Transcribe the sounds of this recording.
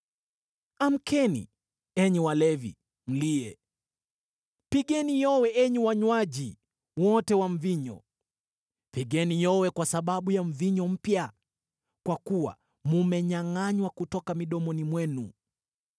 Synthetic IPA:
am̩kʰɛnḭ | ɛɲɛwalɛvḭ | m̩liɛ | piɠɛnijɔwɛɛɲɛwaɲwaʄi | wɔtɛwaɱ̩viɲɔ̰ | piɠɛnijɔwɛkwasaɓaɓujaɱ̩viɲɔm̩pja | kwakuwa̰ | mumɛɲaŋaɲwakutɔkamiɗɔmɔnimwɛnṵ

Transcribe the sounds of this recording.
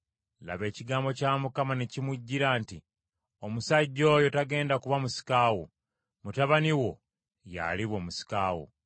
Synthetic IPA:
la̰βe̞ːciɡaːmbo̞caːmukamanecimuɟːiɾaːnti | omusaɟːo̞jo̞taɡe̞ːndakuβamusi̥kaːwo̰ | mutaβaniwo̞ | ja̰liβo̞ːmusi̥kaːwo̰

